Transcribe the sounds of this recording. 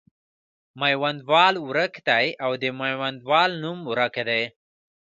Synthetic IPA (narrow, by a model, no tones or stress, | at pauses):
majwand̪wɑluɾakd̪ajawd̪əmajwand̪wɑlnumuɾakd̪aj